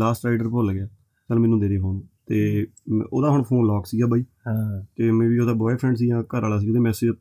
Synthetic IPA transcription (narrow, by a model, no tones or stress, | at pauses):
laːsʈɾaːɖəɾpolɡɪaː | kəlmɛ̃ːnũːd̪eːɾeːpʰoːnt̪eː | oːd̪aːɦʊɳpʰoːnlɔːksiːɡaːbaːiː | at̪eːmɛ̃ːʋiːoːd̪aːbɔːepʰɾɛ̃ːɳɖs̬iːãːkəɾaːlaːs̬iːɡːt̪eːmɛ̃ːsed͡ʒ